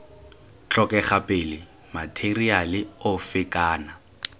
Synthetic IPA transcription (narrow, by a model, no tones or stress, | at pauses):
t͡ɬɔkʼɛχapʼɪlɪ | matʰerialɪʊfɪkʼaːna